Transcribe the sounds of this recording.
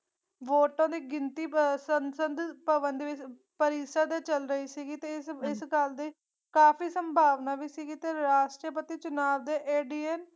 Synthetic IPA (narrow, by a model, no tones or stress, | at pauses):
ʋoːʈãːd̪iːɡɪnt̪iːsənsənd̪pəbənd̪ʋɪt͡ʃ | pəɾiːsəd̪eːt͡ʃəlɾəiːsiːɡiːt̪eːɪsɪsɡəld̪eː | kaːfiːsəmbʱaːʋnaːʋiːsiːɡiːt̪eːɾaːʃʈɾəpət̪iːt͡ʃʊnaːʋd̪eːʔeːɖiːen